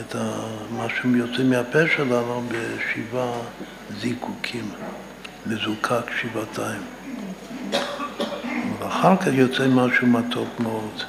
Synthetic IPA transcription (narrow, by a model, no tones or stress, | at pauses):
et̪amaʃujot͡sɛmeapeʃelanubeʃiva | zikʰukʰim | mezukʰakʃivatʰaim | valaχaʁkaχjot͡sɛmaʃumatʰokmeod